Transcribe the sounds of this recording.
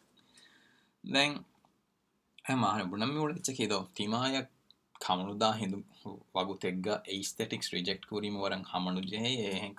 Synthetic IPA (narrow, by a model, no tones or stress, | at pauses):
d̪ɛŋ | emaːɦnibunɐmːiuɭɐit͡ʃːɐkiːd̪ot̪imaːjɐkʰː | ɐmɐnud̪aːɦind̪uʋɐɡut̪eɡːaʔeist̪eʈiksɾid͡ʒek̚ʈkuɾiːmɐʋɐɾɐŋhɐmɐnud͡ʒeɦejeːɦeŋk